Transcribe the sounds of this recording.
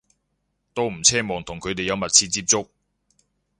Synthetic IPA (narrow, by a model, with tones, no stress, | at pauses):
t̪o˥wm̩˨˩t͡sʰɛː˥mɔː˨˩ŋt̪ʰʊ˨˩ŋkʰɵ˨˧ɥt̪e˨jɐ˨˧wmɐ˨t̚t͡sʰiː˧t͡siː˧˥p̚t͡sʊ˥k̚